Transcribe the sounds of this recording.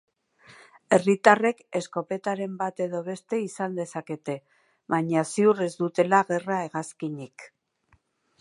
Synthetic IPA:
e̞rit̪are̞ke̞sko̞pe̞t̪aɾe̞mbat̪e̞ðo̞β̞e̞st̪e̞isand̪e̞sake̞t̪e̞ | βajɲasiuɾe̞zd̪ut̪e̞laɣe̞rae̞ɣaskiɲik

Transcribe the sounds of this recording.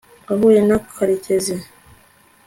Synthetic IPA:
aβojenakʰaɾiceze

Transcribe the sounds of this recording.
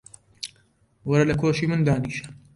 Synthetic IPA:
wɐɾɐlɐkʰoːʃiːmɨnd̪aːniːʃɐ̥

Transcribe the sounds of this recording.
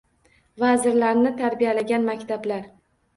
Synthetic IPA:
vazɪɾlaɾnɪt̪ʰaɾbijalaɡʲanmakʲt̪ʰablaɾ

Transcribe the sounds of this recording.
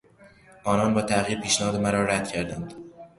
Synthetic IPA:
ʔɒːnɒːnbɒːt̪ʰæɣiːɾpʰiːʃnæhɒːd̪emæɾɒːɾæd̪̥̚cʰæɾd̪ænd̪̥

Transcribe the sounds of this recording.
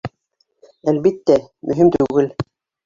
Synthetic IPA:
ælβit̪ːæmʔɵ̆ɦimt̪ʉɡɘl

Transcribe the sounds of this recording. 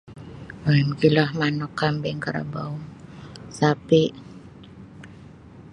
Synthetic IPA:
aɛmkilahmanɔkːambɛŋkaɾa̰bauŋsapiʔ

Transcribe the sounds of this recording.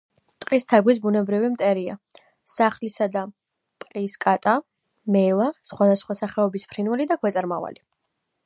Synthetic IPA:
t̪ʼqʼist̪ʰaɡwis̬bunɛbɾivimt̪ʼɛɾia̰ | saχlisad̪a | t̪ʼqʼiskʼat̪ʼa | mɛlˠasχwad̪asχwasaχɛɔbispʰɾinvɛlid̪akʰwɛt̪sʼɾmava̰li

